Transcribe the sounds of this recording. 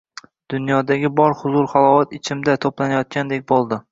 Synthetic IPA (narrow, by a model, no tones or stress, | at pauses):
d̪̥ʊnjɒd̪aɡʲɪbɒɾhʊzʊɾχalˠɒwat̪ɪt͡ʃʰɪmd̪at̪ʰoplanajɒt̪̚kʲʰand̪e̞k̚ʲbolˠd̪ɪ